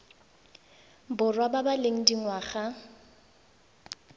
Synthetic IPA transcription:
bʊrwababaleŋ̩diŋwaːχa

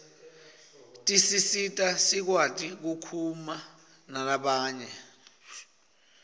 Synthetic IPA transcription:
tʼisisitʼasik̬watʼik̬ukʰuma | nalaɓaːɲɛ

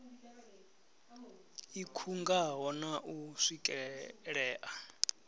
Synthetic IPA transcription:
ikʰuŋɡaɦɔnaʔuʂikʼɛɺɛːʔa

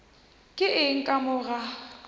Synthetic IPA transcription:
kʼɪʔɪŋ̩kʼamʊɣa

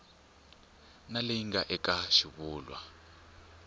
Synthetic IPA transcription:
nalejiŋɡaʔɛkaʃiβuːlwa̰

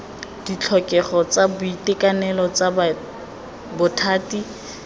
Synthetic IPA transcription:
d̥it͡ɬʰɔkʼɛχɔt͡sabʊitekanɛlɔt͡saba | bʊtʰaːti

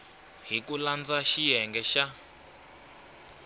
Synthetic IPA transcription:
ɦikuland͡zaʃijɛŋɡɛʃa

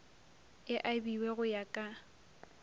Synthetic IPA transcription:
ɪʔabiwɛɣʊjakʼa

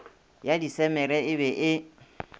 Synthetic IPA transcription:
jadisɛmɛɾɛɪbɛʔɪ

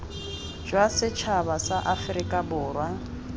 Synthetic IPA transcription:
d͡ʒwasɪt͡ʃʰaβasaʔafɪɾɪkʼabʊːrwa

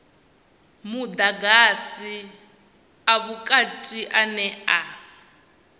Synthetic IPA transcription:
mud̪aɡasi | aβukʼatʼiʔanɛa

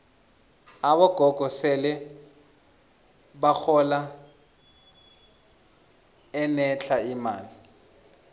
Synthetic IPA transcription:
aβɔɡ̥ʱɔɡ̥ʱɔsɛlɛ | baxʰɔla | ɛnɛt͡ɬʰaima̰ːli

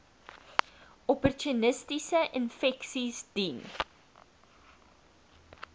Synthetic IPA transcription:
ɔpərtunəstisəʔənfɛksisdin

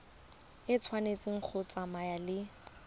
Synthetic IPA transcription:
ɪt͡sʰwanet͡sʼɪŋ̩k͡xʰʊt͡sʼamajalɪ

